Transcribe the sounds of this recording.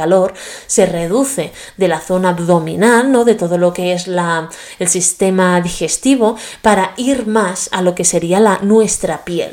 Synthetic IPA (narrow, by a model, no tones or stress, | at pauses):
alo̞ɾse̞re̞ð̞uθe̞ | d̪e̞laθo̞nabðo̞mḭ̃nalno̞ðe̞t̪o̞ð̞olo̞ke̞e̞zla | elsist̪e̞maðixe̞st̪iβ̞o̞paɾaiɾmasa̰lo̞ke̞se̞ɾialanwe̞st̪ɾapje̞̰l